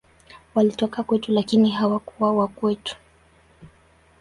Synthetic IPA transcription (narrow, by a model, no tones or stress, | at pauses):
walitɔkakwɛtulakiniɦawakuwawakwɛtu̥